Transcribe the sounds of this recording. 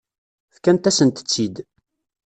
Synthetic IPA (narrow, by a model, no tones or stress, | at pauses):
θkænt̪æsənt̪ə̥t͡sːid̪